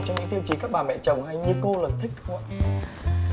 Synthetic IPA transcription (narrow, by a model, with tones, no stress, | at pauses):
t͡ɕɔ˧ŋ͡mɲɨ̰˧˥ŋt̪i˧əwt͡ɕi˨˧˩kaː˦˥k̚ɓaː˨˩mɛ̰˧˨t͡ɕə˨˩wŋ͡mha˧jɲɨ˧ko˧ləː˨˩t̚t̪ʰï˦˥k̟̚wa˧˨